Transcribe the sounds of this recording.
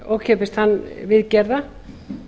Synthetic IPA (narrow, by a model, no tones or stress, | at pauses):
oːwkʰɛpɪst̪hanːvɪðcɛɾða